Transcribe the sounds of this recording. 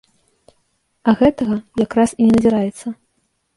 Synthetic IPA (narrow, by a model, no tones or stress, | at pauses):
ɐɣɛt̪ɐɣɐjakɾasinʲɛnɐzʲɛɾajɛt̪sːɐ